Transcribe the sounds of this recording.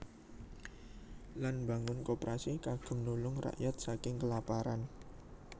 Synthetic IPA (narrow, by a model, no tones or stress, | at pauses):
lanba̤ŋʊnkopɾasikaɡ̥ə̤mnulʊŋra̰ʔjat̪̚sakɪŋkəlapaɾan